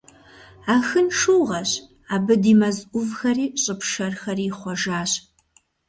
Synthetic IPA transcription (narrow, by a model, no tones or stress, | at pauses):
aːxɨnʂuːʁɐɕ | aːbɨdiːmɐzʔʷʊvxɐriːɕʼɨpʰʂɐrxɐriːχʷɔʒaːɕ